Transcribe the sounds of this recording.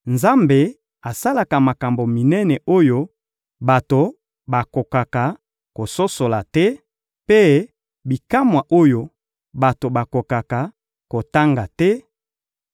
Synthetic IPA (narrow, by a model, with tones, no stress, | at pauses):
nza˦mbe˨ | a˨sa˦la˨ka˨ma˨ka˨mbo˨mi˨nɛ˦nɛ˨ʔo˦jo˦ | ba˨to˨ | ba˨ko˨ka˨ka˨ | ko˨so˦so˨la˨tɛ˦ | pe˦ | bi˨ka˦mwa˨ʔo˦jo˨ | ba˨to˨ba˨ko˨ka˨ka˨ | ko˨ta˦ŋɡa˨tɛ˦